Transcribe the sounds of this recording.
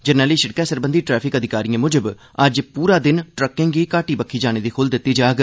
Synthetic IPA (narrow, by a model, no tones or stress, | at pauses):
d͡ʒənɛːliːʃɪɽkɛːsəɾbənd̪iːʈɾɛːpʰɪkəd̪ɪkaːɾiːãːmʊd͡ʒəb | əd͡ʒpuːɾaːd̪ɪnʈɾəkːɪ̃ŋɡiːkaːʈiːbəkʰːiːd͡ʒaːɽ̃eːd̪iːkʰʊld̪ɪt̪ːiːd͡ʒaːɡ